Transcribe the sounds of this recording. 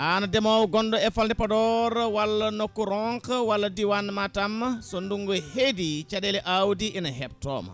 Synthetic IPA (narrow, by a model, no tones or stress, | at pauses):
ʔanɐdɛmawɡɔndɔɛfalndipɐdɔɾwɐlːɐnɔkːɔɾɔŋkwɐlːɐdiwanmatɐmsɔnduŋɡɔhedit͡ʃadɛlɛʔawdiʔɛnɐɦɛp̚tɔ̰m